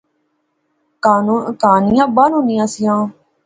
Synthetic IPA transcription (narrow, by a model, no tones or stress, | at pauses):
kaːnũːkaːnɪjãːbaːnɦõːnɪjãːsɪjãː